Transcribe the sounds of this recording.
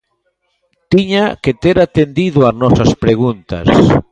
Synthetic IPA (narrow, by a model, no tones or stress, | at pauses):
t̪iɲaket̪eɾat̪end̪iðoaznɔsaspɾeɣ̞unt̪ɐ̰s